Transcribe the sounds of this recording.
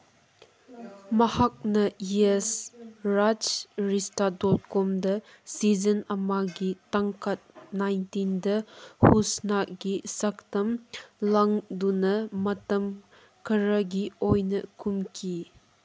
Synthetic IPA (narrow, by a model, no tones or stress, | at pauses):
mɐhak̚nɐjesɾad͡ʒɾistadɔt̚kɔmdɐ | sizɐnɐmaɡitaŋkʰɐt̚najntindɐhusnakɡisɐk̚tɐmlaŋdunɐmɐtɐm | kʰɐɾɐɡiojnɐkumkʰi